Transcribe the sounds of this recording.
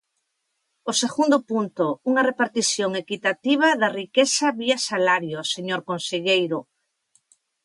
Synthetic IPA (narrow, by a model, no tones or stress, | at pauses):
oseɣund̪ʊpunt̪ouŋɐrepaɾt̪isjoŋekit̪at̪iβ̞aðɐrikesaβiasalaɾjoseɲoɾkonseʎejɾʊ